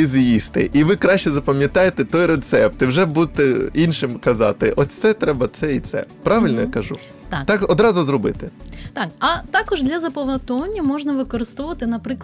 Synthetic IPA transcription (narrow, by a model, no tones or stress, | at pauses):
izjist̪ɪ̰ʔiʋɪkɾɑʃt͡ʃɛzɐpɐmʲjɐt̪ɑjet̪ɛt̪ɔjɾet̪sɛp̚t̪ɪwʒɛbud̪̚t̪ɛinʃɪmkɐzɑ̰t̪ɪʔɔsʲtsɛt̪ɾɛbɐt̪sɛit̪sɛ̰pɾɑʋɪlʲnɔjakɐʒṵ | t̪t̪ɑkɔd̪ɾɑzʊzɾɔbɪt̪ɪt̪ɑkɐt̪ɑkɔʒd̪lʲɐzɐpɔʋɐt̪ɔɐnʲːɐmɔʒnɐʋɪkɔɾɪst̪ɔʋɔʋɐt̪ɪnɐpɾɪkˠ